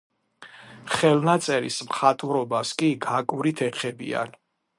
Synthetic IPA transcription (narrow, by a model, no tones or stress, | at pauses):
χɛlnat̪sʼɛɾḭsmχat̪ʼvɾɔbaskʼiɡakʼuɾit̪ʰɛχʰɛbḭa̰n